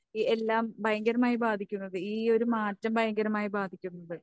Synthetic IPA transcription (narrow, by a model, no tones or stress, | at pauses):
ielːaːmbʱɐjɐŋɡɐɾɐmaːjibaːd̪ʱikʲːunːɐðɨiːo̞ɾumaːtːɐmbɐjɐŋɡɐɾɐmaːjibaːd̪ʱikʲːunːɐðɨ